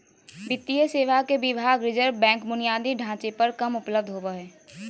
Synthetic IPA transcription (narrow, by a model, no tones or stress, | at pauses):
ʋɪt̪ːijəseːʋakebɪbʱaːɡɾɪd͡ʒəɾʋbɛ̃ːŋkbʊnijaːd̪iɖʱãːt͡ʃepɐɾkɐmʊpləb̚d̪ʱɦobəɦɛː